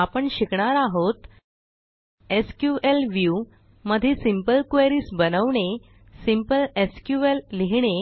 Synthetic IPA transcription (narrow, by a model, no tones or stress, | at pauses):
apəɳɕikɳaɾaɦot̪ | eskjuʔelʋju | məd̪ʱiːsimpəlkʋeɾiːsbənəʋɳe | simpəleskjuelːiɦɳe